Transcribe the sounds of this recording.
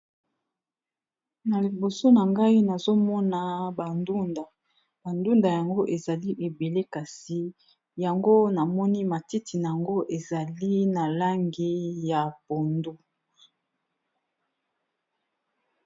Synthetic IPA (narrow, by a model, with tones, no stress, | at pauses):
na˨li˨bo˨so˦na˨ŋɡa˦i˦na˨zo˦mɔ˦na˨ba˨ndu˦nda˨ | ba˨ndu˦nda˨ja˨ŋɡo˦ʔe˨za˨li˦ʔe˨be˨le˦ka˨si˨ | ja˨ŋɡo˦na˨mɔ˦ni˦ma˨ti˦ti˨na˨a˨ŋɡo˦ʔe˨za˨li˦na˨la˦ŋɡi˦ja˨po˨ndu˦